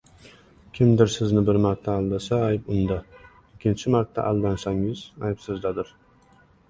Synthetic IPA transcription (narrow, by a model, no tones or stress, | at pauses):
kʲʰɪmd̪ɪɾsɪznɪbɪɾmaɾt̪ʰːaːlːasaːjbʊnd̪a | ɪkʲʰːɪnt͡ʃʰɪmaɾt̪ʰːa̰ʔalːansaŋɪzajpsɪzd̪ad̪ɪɾ